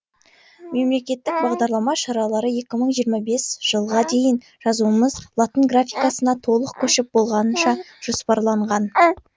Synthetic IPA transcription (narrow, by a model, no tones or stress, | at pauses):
me̞mle̞kʲe̞t̪ːɪk̚bɑʁd̪ɑɾlˠɑmɑʃɑɾɑlˠɑɾəje̞kʲɪməɴʒijəɾmɑbe̞sʒ̥əlˠʁɑd̪e̞jɪn | ʒ̥ɑzuəməzlˠat̪ənɡrafʲijkasənɑt̪ʰo̞lˠəqkʲʰɵʃɪp̚bo̞lˠʁɑnənʃɑ | ʒ̥ospɑɾlˠɑɴʁɑn